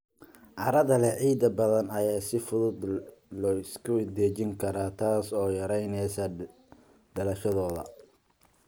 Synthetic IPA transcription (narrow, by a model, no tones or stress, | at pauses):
ʔɑɾɐðɐlɛʕiːd̪ɐbɐðɐnɐjaːsɪfʊðʊd̪lɔːɪskʰʊd̪ɛːt͡ʃɪŋkʰɐɾaːt̪ʰaːsɔːjɐɾɛjnɛsɐ | ɖɐlɐʃɐðɔːðɐ̰